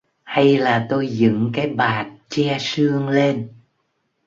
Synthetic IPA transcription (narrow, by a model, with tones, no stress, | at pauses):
ha˧jlaː˨˩t̪o˧jzɨ̰˧˥ŋkaː˨˦jɓaː˨˩t̚t͡ɕɛ˧sɨ˧əŋle˧n